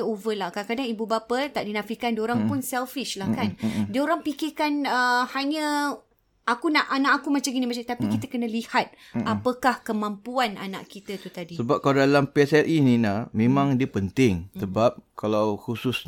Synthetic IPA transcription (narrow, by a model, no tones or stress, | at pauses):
ovəlakakadaŋibubapət̪aʔdinãfikandioɾaŋpʊnsɛlfiʃlahkandioɾaŋpikikanəhaɲə̃ | akunaʔanaʔakumat͡ʃaŋɡinĩmat͡ʃaŋt̪apikit̪əkənə̃lihat̪̚ | apəkahkəmãmpuana̰na̰ʔkit̪ət̪ut̪adisəbap̚kaladalampiɛsɛt̪inĩnahmẽmãŋdiəpənt̪ɪŋsəbap̚kalawhusʊs